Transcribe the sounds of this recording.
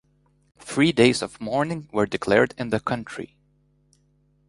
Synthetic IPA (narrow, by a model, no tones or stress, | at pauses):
θɹideɪzʌv̥mɔɹnɪ̃ŋwə˞dɨkʰl̥ɛɹdɨ̃nðɨkʰʌ̃nt͡ʃʰɹ̥ḭ